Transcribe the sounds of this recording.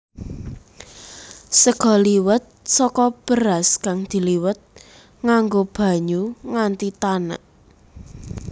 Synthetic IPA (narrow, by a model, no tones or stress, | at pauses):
səɡ̥ɔ̤liwət̪̚sɔkɔb̥əɾaskaŋd̪̥i̤liwət̪̚ | ŋaŋɡob̥a̤ɲuŋant̪it̪ana̰ʔ